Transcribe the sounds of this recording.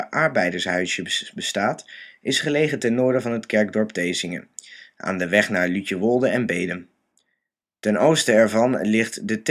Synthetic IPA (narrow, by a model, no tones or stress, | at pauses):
ʔɑɹbɛjdəɹsɦœɥsjəbəstaːtɪsχəlejχətɛnːʊːɹdəvɑnɦətkɛɹɡ̚dɔɹptejzɪŋə̰ʔa̰ːndəʋɛχnaːɹlytəʋolˠdəɛnbejdəm | tɛnowstəɛɹvɑnlɪχtdət